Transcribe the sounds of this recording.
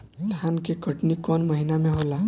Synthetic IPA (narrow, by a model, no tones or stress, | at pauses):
d̪ʱaːnkekəʈnikɔːnməɦinamẽɦoːla